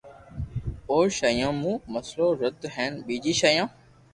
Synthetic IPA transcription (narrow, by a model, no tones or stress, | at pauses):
oːʃaːjãːmũːməsloːɾəd̪ɦɛ̃ːnɓiːd͡ʑiːʃaːjãː